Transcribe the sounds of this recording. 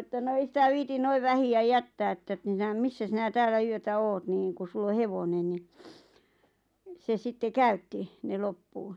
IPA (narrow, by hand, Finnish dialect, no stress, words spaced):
etːæ no ei sitæ ʋiːtin noiʋ ʋæhiæ jætːæː etːæ t misːæ sinæ tæːlæ yøtæ oːt niːŋ ku sulː o heʋonen ni se sitːe kæytːi ne lopːuː